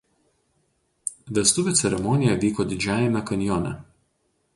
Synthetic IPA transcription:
ʋʲɛst̪ʊʋʲɪt̪sʲɛɾʲɛmɔnʲɪjɛʋʲiːkɔːd̪ʲɪd͡ʒʲæːjɛmʲɛkɐnʲjɔːnʲɛ̰

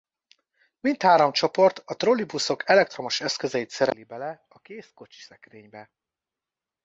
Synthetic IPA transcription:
mint̪haːɾo̞mt͡ʃo̞po̞rt̪ɒt̪ro̞libuso̞kʰɛlɛk̚t̪ro̞mo̞ʃɛskøzɛjit̪sɛɾɛ̰libɛlɛ | ɒkeːsko̞t͡ʃi̥sɛkreːɲbɛ

